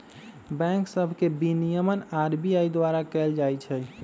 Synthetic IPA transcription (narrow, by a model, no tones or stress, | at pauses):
bɛ̃ŋksəbʱkebinijəmənaɾbiaid̪waɾakɛld͡ʒajt͡ʃʰɛ